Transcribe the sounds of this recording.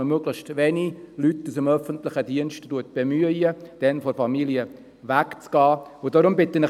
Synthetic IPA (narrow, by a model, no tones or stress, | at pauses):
əmøɡlɪxstʋenilytːusəmœfəntlɪχədiənʃttuət̚b̥emyəjəd̥ɛnfɔɾfɑmiliə | ʋækt͡sɡ̥ɑːʊdɔɾʊmbɪt̪ːənə